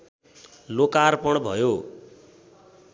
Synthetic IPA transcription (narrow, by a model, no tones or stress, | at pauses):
lokarpʌɽ̃bʱʌ̰jo